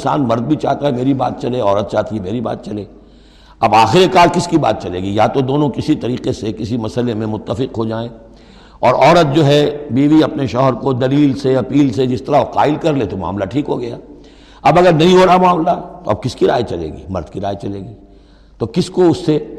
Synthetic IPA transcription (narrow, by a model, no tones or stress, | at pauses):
sa̰ːnmɐɾd̪̚bʱit͡ʃa̰ːɦt̪aɦɛmeːɾiba̰ːt̪̚t͡ʃɐlẽɔːɾət̪̚t͡ʃaːɦt̪iɦɛmeːɾiba̰ːt̪̚t͡ʃɐlẽː | ɐbaːxɪɾekaːlkɪskiba̰ːt̪̚t͡ʃɐlḛːɡijɐãt̪od̪oːnõkɪsit̪ɐɾiːqesekɪsimɐsəlemẽmʊt̪ːəfɪqɦod͡ʒaːẽ | ɔːɾɔːɾət̪̚d͡ʒoːɦɛbiːʋiɐpneʃɔːɦəɾkod̪ɐliːlseɐpiːlsed͡ʒɪst̪ɐɾaoqa̰ːɪlkɐɾlet̪oma̰ːmlaʈʰiːkɦoɡɐja̰ | ɐbɐɡəɾnɐɦĩɦoːɾaamaːmlat̪oɐ̰b̚kɪskiɾa̰ːjet͡ʃɐlḛːɡḭːmɐɾd̪kiɾaːet͡ʃɐleːɡiː | t̪okɪskoʊsːe